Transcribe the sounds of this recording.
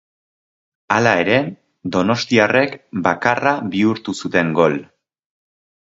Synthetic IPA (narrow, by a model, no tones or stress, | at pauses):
alae̞ɾe̞ | d̪o̞no̞st̪iare̞kbakaraβiuɾt̪usut̪e̞ŋɡo̞l